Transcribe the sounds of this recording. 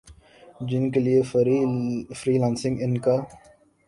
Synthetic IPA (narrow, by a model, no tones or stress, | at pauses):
d͡ʒɪnkelie | fɾiːlãːnsɪ̃ŋɡɪnka